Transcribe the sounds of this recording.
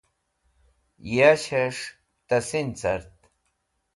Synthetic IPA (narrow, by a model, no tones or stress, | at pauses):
jaɕaʂ | t̪asint͡saɾt̪